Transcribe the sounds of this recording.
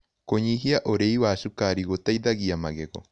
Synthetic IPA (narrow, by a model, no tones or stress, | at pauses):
koɲiɦiaʔoɾeiwaʃukaɾiɣotaiðaɣiamaɣɛɣɔ̰